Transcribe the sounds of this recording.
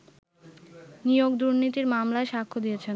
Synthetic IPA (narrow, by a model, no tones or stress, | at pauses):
nijoɡd̪uɾnit̪iɾmamlaeʃakʰːod̪ijet͡ɕʰen